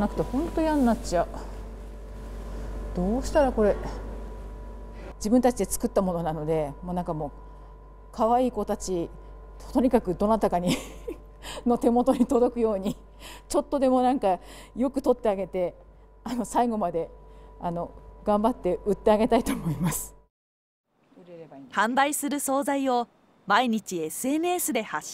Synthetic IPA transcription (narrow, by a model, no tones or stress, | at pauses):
nakɯ̟̥t̪e̞hõ̞nt̪o̞ianːat͡ɕia | d̪̥o̞ːɕi̥t̪aɾako̞ɾe̞ | d͡ʑibɯ̟nt̪at͡ɕid̪e̞t͡sɨ̥kɯ̟t̪ːamo̞no̞nano̞d̪e̞monãŋkamo̞ː | kʰaβ̞aiːko̞t̪at͡ɕi | t̪o̞ɲ̟ikakɯ̟d̪o̞nat̪akaɲ̟i | no̞t̪e̞mo̞t̪o̞ɲ̟it̪o̞d̪o̞kɯ̟jo̞ːɲ̟i | t͡ɕo̞t̪ːo̞d̪e̞mo̞nãŋka | jo̞kɯ̟̥t̪o̞t̪ːe̞aɡe̞t̪e̞ | ano̞saiɡo̞mad̪e̞ano̞ɡ̥ãmbat̪ːe̞ɯ̟t̪ːe̞aɡe̞t̪ait̪o̞ːmo̞imasɨ̥ | hãnd̪aisɨɾɯ̟so̞ːzaio̞ | maiɲ̟it͡ɕiesɨeːmɯ̟esɨd̪e̞hḁ